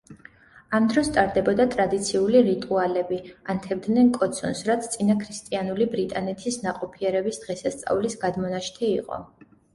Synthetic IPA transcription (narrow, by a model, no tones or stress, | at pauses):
amd̪ɾɔst̪ʼaɾd̪ɛbɔd̪at̪ʼɾad̪it̪sʰiuliɾit̪ʼualɛbiant̪ʰɛb̚d̪nɛnkʼɔt̪sʰɔnsɾat̪sʰt̪sʼinakʰɾist̪ʼianulibɾit̪ʼanɛt̪ʰisnaqʼɔpʰiɛɾɛbisd̪̥ʁɛsast̪sʼa̰vlisɡad̪mɔnaʃt̪ʰɛiqʼɔ̰